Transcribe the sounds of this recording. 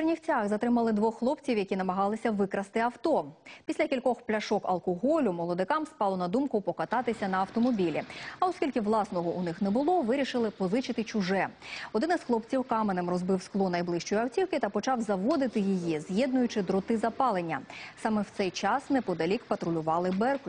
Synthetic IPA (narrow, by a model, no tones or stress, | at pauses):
rnʲiwt͡sʲaxzɐt̪ɾɪmɐlˠɪd̪ʋɔxxlˠɔpt͡sʲiwjɐkʲinɐmɐɦɑlˠɪsʲɐʋɪkɾɐst̪ɪɐwt̪ɔpʲisʲlʲɐkʲilʲkɔxplʲɐʃɔkɐ̰lˠkɔɦɔlʲʊmɔlˠɔd̪ɪkɑmspɑlˠɔnɐd̪umkʊpɔkɐt̪ɑt̪ɪsʲɐnɐɐwt̪ɔmɔbʲilʲiɐɔskʲilʲkɪʋlˠɑsnɔɦɔʔunɪxnɛbʊlˠɔʋɪɾʲiʃɪlˠɪpɔzɪt͡ʃɪt̪ɪt͡ʃʊʒɛɔd̪ɪnɪsxlˠɔpt͡sʲiwkɑmenɪmrɔzbɪwsklˠɔnɐjblˠɪʃt͡ʃɔjɐwtʲiwkɪt̪ɐpɔt͡ʃɑwzɐʋɔd̪ɪt̪ɪjijizjɛd̪nʊjʊt͡ʃɪd̪ɾɔt̪ɪzɐpɑlˠenʲːɐsɑmɛwt̪sɛjt͡ʃɑsnɛpɔd̪ɐlʲikpɐt̪ɾʊlʲʊʋɑlˠɪbɛrkʊ